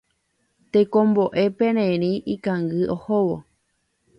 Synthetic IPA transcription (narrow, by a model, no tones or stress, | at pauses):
t̪ekõmboʔe̞pẽɾ̃ẽɾ̃ĩʔikãŋɡɨʔohowo̰